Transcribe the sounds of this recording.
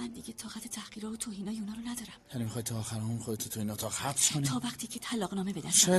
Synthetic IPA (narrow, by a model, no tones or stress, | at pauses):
mænd̪iɟet̪ʰɒːɣæt̪ʰet̪ʰæhɢ̥iːɾɒːvot̪ʰoːhiːnɒːjeuːnɒːɾonæd̪ɒːɾæmjænimixɒːjd̪̚t̪ʰɒːxæɾunxod̪et̪ʰot̪ʰohinɒːt̪ʰɒːhæbskʰonit̪ʰːɒːvæχt̪ʰiːcʰet̪ʰælɒːʁnɒːme̞be̞d̪æsʃj